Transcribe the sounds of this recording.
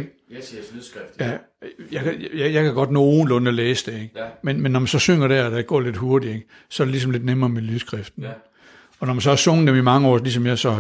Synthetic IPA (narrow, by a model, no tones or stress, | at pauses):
ɡ̥ | jæ | jɑkjjɑ̈ɪkʰæɡ̥ɒ̽d̥nɔ̰ːoːn̩lɔ̽nəɒleːsəd̥e̝eɡ̥menmenːɒmænsɒ̽søŋ̰ɐɾæɐæd̥æɡ̥ɒ̰ːle̝d̥hoɐd̥ieɡ̥ | sɒ̽æɐɾ̥e̝lisɒ̽mle̝d̥nemɐːmelyðˠsɡ̥ʁɛfd̥n̩ | ɒ̽nɒmænsɒ̽hæɐsɔ̽ŋð̩ˠd̥emimɑ̈ŋəɒ̰ːlis̬ɒ̽mjasɒ̽